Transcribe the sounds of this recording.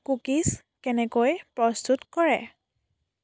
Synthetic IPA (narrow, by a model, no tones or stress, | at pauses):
kukis | kɛnɛkojpɹɔst̪utkɔɹɛ